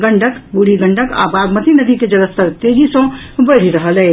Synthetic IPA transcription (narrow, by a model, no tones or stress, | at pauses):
ɡɐ̃ɳɖəkbuɽiɡɐ̃ɳɖəka̰ːbaːɡmət̪inəd̪iked͡ʒɐləst̪əɾt̪eːd͡ʒisõbəɾ̤iɾɐɦəlɛ̃ː